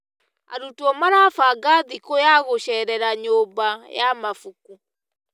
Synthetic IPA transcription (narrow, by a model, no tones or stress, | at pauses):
a̰ɾutuɔmaɾafaɡaðikojaɣoʃɛɾɛɾaɲoːbajamafuku